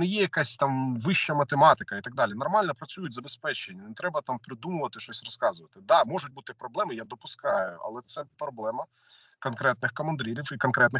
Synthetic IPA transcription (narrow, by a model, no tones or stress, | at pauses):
nɪjɛjɐkasʲt̪ɑmʋɪʃt͡ʃɐmɐt̪emɑt̪ɪkɐit̪ɐɡ̚d̪ɑlʲinɔrmɑlʲnɔpɾɐt͡sʲujʊt̚ʲzɐbespɛt͡ʃenʲːɐnɛt̪ɾɛbɐt̪ɑmpɾɪd̪umʊʋɐt̪ɪʃt͡ʃɔsʲrɔskɑzʊʋɐt̪ɪd̪ɑmɔʒʊt̚ʲbut̪ɪpɾɔblˠɛmɪjad̪ɔpʊskɑjʊɐ̰lˠɛt̪sɛpɾɔblˠɛmɐ | kɔnkɾɛt̪̚nɪxkɐmɐnd̪ɾʲilʲifikɔnkɾɛt̪nɪ